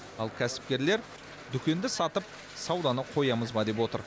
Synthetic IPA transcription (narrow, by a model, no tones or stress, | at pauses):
ɑlˠkʲʰæsɪ̥p̚kʲe̞ɾle̞ɾ | d̪ʏkʲe̞nd̪ɪsɑt̪əp̚ | sɑwd̪ɑnəqʰo̞jɑməzbɑd̪e̞pwo̞t̪ə̰ɾ